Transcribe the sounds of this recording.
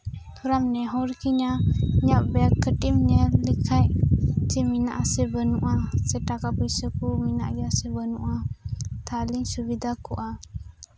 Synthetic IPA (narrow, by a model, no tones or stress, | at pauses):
t̪uɾamnɛɦɔɾkiɲaɲaʔbɛakəʈimɲəlikʰajʔd͡ʒəminaʔasəbənuʔasəʈakapəsəkumina̰ʔɡasəbənuʔat̪ʰaliŋsubid̪akuʔa